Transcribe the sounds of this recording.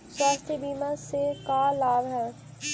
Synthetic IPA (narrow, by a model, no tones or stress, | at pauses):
swaːst̪ʰəbiːmasekalaːbɦɛː